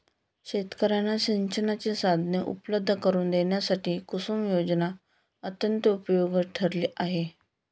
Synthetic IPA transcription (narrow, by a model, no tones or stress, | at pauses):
ɕet̪kəɾanːaɕiɲt͡ɕənat͡ɕesad̪ʱnjəʔṵpləb̚d̪ʱːəkəɾuːnd̪eɳjasaʈiːkusuːmjod͡ʑna | ət̪jənt̪əupjoɡəʈʰəɾliːʔaɦe